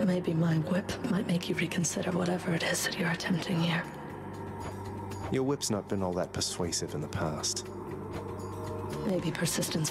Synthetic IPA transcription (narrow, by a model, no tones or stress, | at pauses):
t̚meɪbimaɪwɪpmaɪt̚meɪkʰjɨɹikʰn̩sɪɾə˞wʌɾɛvə˞ɨɾɪzðɨt͡ʃə˞ɨtʰɛ̃mp̚tʰɪ̃ŋhiɹ | jə˞wɪpsnət̚b̥ɨ̃nɔlˠðət̚pʰə˞sweɪsɨvɨ̃nðəpʰæst | meɪbipʰə˞sɪstɨ̃ns